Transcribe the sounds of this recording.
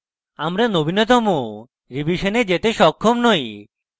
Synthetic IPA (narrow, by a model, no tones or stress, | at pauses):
amɾanobʱinet̪̬ɔmo | ɾibiʃaned͡ʒet̪eʃɔkʰːɔmnɔj